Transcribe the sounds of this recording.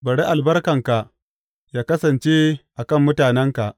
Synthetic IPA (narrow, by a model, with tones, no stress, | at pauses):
bɐ˨ɽe˦ʔa˨lbɐ˦rkɐ˨ŋka˨ʔ | jaː˦kɐ˦sɐ˨nt͡ʃeː˦ʔa˨kɐ˦˨mːʊ˦taː˨nɛ˦ŋka˨ʔ